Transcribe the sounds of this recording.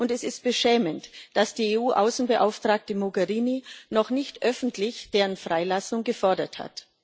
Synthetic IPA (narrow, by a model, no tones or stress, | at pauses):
ʔʊntɛsɪst̚b̥əʃɛːməntd̥asd̥iːeːuːʔaʊsn̩bəʔaʊftʁ̥aːk̚təmoɡɛʁiːninɔχnɪçtʔœfn̩tlɪçd̥eːʁənfʁ̥aɪlasʊŋɡəfɔɐdɐtha̰t